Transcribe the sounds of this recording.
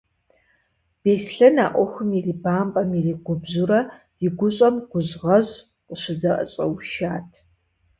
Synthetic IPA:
b̥eːɬɬɐna̰ːʔʷɔxʷɨmjiriːbaːmpʼɐmjɛriːɡʷʊbzuɾɐ | jɪɡʷʊɕʼɐmɡ̥ʷʊʑʁɐʑ | qʼəɕɪzɐʔɐ̰ɕʼɐ̰wʃaːtʰ

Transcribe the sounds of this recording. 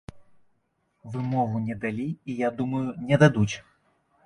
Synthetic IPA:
vɨmɔɣunʲɛd̪alʲiijad̪umɐjunʲɛd̪ad̪ut͡sʲ

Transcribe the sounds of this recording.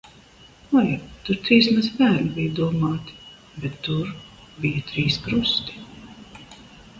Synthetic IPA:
ɔjat̪uɾt̪ɾiːsmazbæːɾnibijud̪uɔmaːt̪ | bɛt̪ːuɾ | bijat̪ɾiːskɾust̪i̥

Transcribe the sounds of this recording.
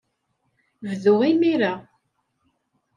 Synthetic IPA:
vðʊʁimiɾa

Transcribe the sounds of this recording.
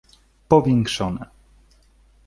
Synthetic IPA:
pɔvʲjɛŋkʂɔnɛ

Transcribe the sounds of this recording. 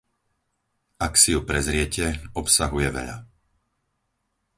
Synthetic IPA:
aksijupɾɛzɾɪɛcɛɔpsaɦujɛʋɛ̰ʎa̰

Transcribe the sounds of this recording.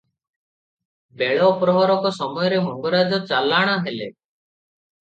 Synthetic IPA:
beɭɔpɾɔɦɔɾɔkɔsɔmɔjɔɾemɔŋɡɔɾad͡ʒɔt͡ʃalaɽ̃ɔɦelḛ

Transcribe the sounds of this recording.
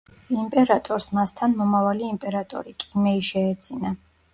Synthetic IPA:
impʼɛɾat̪ʼɔɾsmast̪ʰanmɔmavaliːmpʼɛɾat̪ʼɔ̰ɾikʼimɛiʃɛːd̪z̥ʰina

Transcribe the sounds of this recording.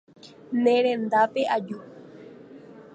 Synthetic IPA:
nẽɾẽnd̪apeʔad͡ʒu

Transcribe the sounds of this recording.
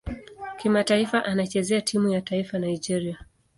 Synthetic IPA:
kimataifaʔanat͡ʃɛzɛatʰimujataifanajd͡ʒɛɾia

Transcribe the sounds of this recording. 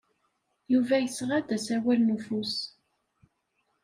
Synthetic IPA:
juvæjəsʁæd̪æsæwælnufus

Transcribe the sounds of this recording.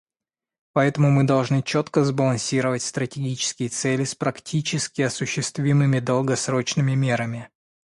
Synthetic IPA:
pɐɛt̪əmʊmɨd̪ɐlˠʐnɨt͡ɕot̪kəzbəlˠɐnsʲiɾəvətʲst̪ɾətʲɪɡʲit͡ɕɪ̥skʲɪjət̪sɛlʲɪspɾɐktʲʰit͡ɕɪskʲɪɐsʊɕːɪst̪vʲimɨmʲɪd̪əlˠɡɐsɾo̞t͡ɕnɨmʲɪmʲe̞ɾəmʲɪ

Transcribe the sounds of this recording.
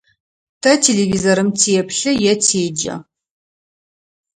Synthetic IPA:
tʰɐtʰeːɮevizoɾɨmtʰeɛpɬɨjɛtʰeːd͡ʒɐ̰

